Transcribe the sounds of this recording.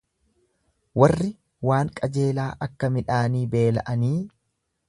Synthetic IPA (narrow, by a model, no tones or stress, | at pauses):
wɐrːɪ | waːŋkʼɐd͡ʒe̞ːlaːʔɐkːɐmɪᶑaːniːbe̞ːlɐ̰ʔɐniː